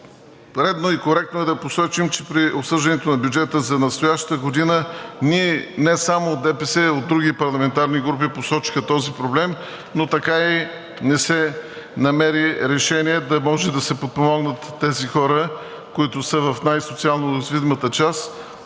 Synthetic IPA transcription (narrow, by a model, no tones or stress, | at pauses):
ɾɛd̪noikoɾɛk̚t̪noɛd̪ɐposɔt͡ʃimt͡ʃɛ̥pɾiopsɤʒd̪ɐnɛt̪onɐbʲjud͡ʒɛt̪əzɐnɐst̪ojaʃt̪əɡod̪inəniɛnɛsamoːt̪ɛpɛsɛod̪̚ɾuɡipɐɾlˠɐmɛnt̪aɾniɡɾup̬iposɔt͡ʃi̥xət̪ɔzipɾoblɛm | not̪ɐkai | nɛsɛ | nɐmɛɾiɾɛʃɛniɛd̪ɐmɔʒɛd̪ɐsɛpot̪̚pomɔɡnət̪ːɛzixɔɾə | koit̪ʊsəvɐfnajsot̪sialˠnozvid̪imət̪ət͡ʃas